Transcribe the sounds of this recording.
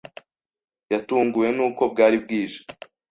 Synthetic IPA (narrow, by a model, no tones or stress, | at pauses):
jatuːŋɡuje̞nuːko̞b̚ɡaːɾib̚ɡiːʒe̥